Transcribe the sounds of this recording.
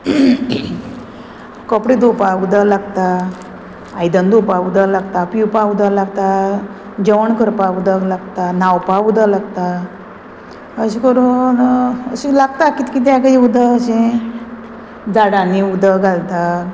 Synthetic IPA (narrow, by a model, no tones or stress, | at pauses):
kɔpɽid̪upaud̪əlaɡt̪a | ajd̪ənd̪upaud̪əlaɡt̪apiwpaud̪əlaɡ̚t̪a | d͡ʑəʋəɳkəɾpaud̪əlaɡt̪anawpaud̪əlaɡt̪a | əɕikəɾunəɕilaɡt̪akit̪kit̪̬akaiud̪əəɕẽ | d͡zaɽaniud̪əɡʱalt̪a